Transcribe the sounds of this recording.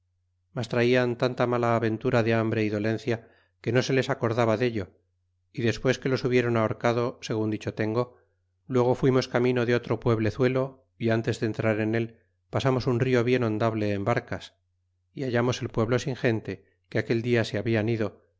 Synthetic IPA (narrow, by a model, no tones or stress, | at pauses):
mast̪ɾaiant̪ant̪amalaːβe̞nt̪uɾaðe̞ambɾe̞iðo̞lẽ̞n̟θja | ke̞no̞se̞le̞sako̞ɾðaβaðe̞ʎo̞ | iðe̞spwe̞ske̞lo̞suβje̞ɾo̞naoɾkaðo̞se̞ɣ̞und̪it͡ʃo̞t̪e̞ŋɡo̞ | lwe̞ɣ̞o̞fwimo̞skamĩno̞ðeo̞t̪ɾo̞pwe̞β̞le̞θwe̞lo̞ | iant̪e̞zðe̞ːnt̪ɾaɾe̞ne̞l | pasamo̞sunrio̞β̞je̞nõ̞nd̪aβle̞ːmbaɾkas | iaʝamo̞se̞lpwe̞βlo̞siŋxe̞nt̪e̞ | keake̞ld̪iaseaβianiðo̞